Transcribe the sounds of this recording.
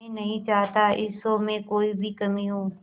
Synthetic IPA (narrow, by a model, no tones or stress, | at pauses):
ẽnɐɦĩt͡ʃaːt̪aːʔɪsoːmẽkoːiːbʱiːkəmĩɦũː